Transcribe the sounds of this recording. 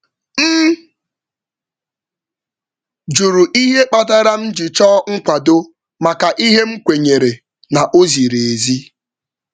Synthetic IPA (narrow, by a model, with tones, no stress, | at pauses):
m̩˦ | d͡ʒu˨ɾu˨ʔi˦ɦe˦k͡pa˦ta˦ɾa˦m̩˦d͡ʒi˨t͡ʃɔː˦ŋ̩˦kʷa˨do˦ | ma˨ka˨ʔi˦ɦe˦ŋ͡m̩˦kʷe˨ɲe˨ɾe˨ | na˨ʔo˦zi˨ɾe˨e˨zi˦